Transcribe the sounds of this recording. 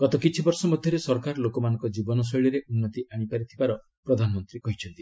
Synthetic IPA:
ɡ̥ɔt̪ɔkit͡ʃʰibɔɾsɔmɔd̪ʱjɔɾesɔɾkaɾlokɔmanɔ̃ŋkɔd͡ʒibɔnɔs̬ɔjɭiɾeʔunːɔt̪iʔaɽ̃ipaɾit̪ʰibaɾɔ | pɾɔd̪ʱanɔmɔnt̪ɾikɔɦit͡ʃʰɔnt̪i

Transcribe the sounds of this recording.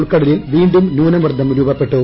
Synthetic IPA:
ɭkɐɽɐlilʋiːɳɖumnuːnɐmʋɐrd̪ʱɐmɾuːbɐpːe̞ʈːu

